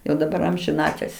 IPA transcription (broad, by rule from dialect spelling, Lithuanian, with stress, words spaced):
jɛʊ dɐˈbɐr ɐmʲʒʲɪˈnɑːtʲɪlʲsʲ